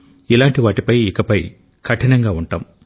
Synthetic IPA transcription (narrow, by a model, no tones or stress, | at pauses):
ilaːɳʈiʋaːʈipɐjikɐpɐj | kʰɐʈʰinɐŋɡaːuɳʈa̰ːm